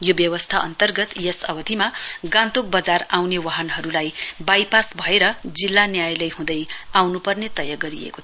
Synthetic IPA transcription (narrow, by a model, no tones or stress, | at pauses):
jobjʌwʌst̪ʰaʔʌ̰nt̪ʌrɡʌt̪jʌsʌ̰wʌt̪imaɡãnt̪ok̚bʌd͡zarawnewaɦʌnɦʌɾulajbajpasbʱʌeɾʌd͡zilːanjajlʌjɦũd̪ʌjawnupʌrnet̪ʌjaɡʌɾiḛko̥